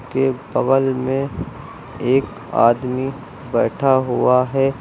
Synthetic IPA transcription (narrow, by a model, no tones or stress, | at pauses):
kebɐɣəlmẽ | eːk | a̰ːd̪mi | bɛːʈʰaɦʊaɦɛː